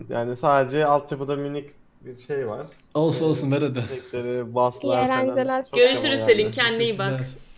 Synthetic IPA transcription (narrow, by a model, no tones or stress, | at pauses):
jaːnisaːd̪e̞d͡ʒɛalˠt̪ʰjapɯd̪amynic | biɾʃejvaɾ̥ | olˠsunolˠsunveɾed̪ɛɛcʲlʲeɾibaslˠlʲænd͡ʒelʲæɾɟø̞ɾyʃyɾiselʲimcʰænd̪ijibak